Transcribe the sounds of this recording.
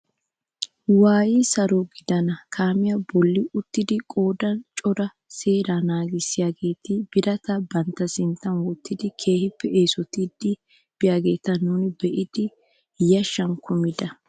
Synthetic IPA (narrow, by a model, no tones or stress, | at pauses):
waːjisɐɾɔɡɪd̪ɐnɐkʰaːmɪjɐbɔlːɪʊt̪ːɪd̪ɪkʼo̞ːd̪ɐnt͡ʃʼɔɾɐ | se̞ːɾaːnaːɡɪsːɪjaːɡe̞ːt̪ɪb̥ɪɾɐt̪ɐbɐnt̪ːɐsɪnt̪ːɐnwɔt̪ːɪd̪ɪkʰe̞ːhɪpːɛe̞ːsɔt̪ɪd̪ːɪ | b̥ɪjaːɡe̞ːt̪ɐnːuːnɪbɛʔɪd̪̥ɪ | jɐʃːɐŋkʊmɪd̪ɐ